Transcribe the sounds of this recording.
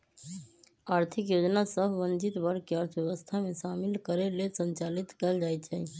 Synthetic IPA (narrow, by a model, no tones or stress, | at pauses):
aɾt̪ʰikjod͡ʒnasəbʱʋənd͡ʒit̪bəɾkeəɾt̪ʰʋjeʋəst̪ʰamesamilkəɾelesə̃nt͡ʃalit̪kɛld͡ʒajt͡ʃʰɛ